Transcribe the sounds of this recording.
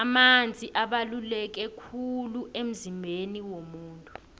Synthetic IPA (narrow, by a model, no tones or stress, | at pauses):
amand͡zʱiʔaɓalulɛk̬ɛkʰuluʔem̩zimbʱeniwomuːntʼu̥